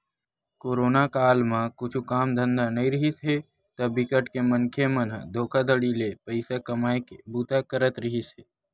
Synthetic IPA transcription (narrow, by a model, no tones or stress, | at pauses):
koːɾoːnakaːlmãkʊt͡ʃʰukaːmd̪ʱə̃nd̪anɐɦĩɾɪɦisɦe | t̪ɐbɪkəʈkemə̃nkʰemənɦd̪ʱoːkʰad̪əɽilepəɪsakəmaːekbuːt̪akəɾət̪ɾɪɦisɦeː